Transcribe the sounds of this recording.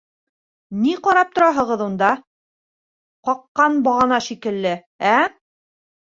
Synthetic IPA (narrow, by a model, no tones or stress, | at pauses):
niqɑɾɑp̚t̪ŏɾɑɦɤ̆ʁɤ̆ðund̪ɑ | qɑqːɑnbɑʁɑnɑʃikɘ̆lːɘ | æ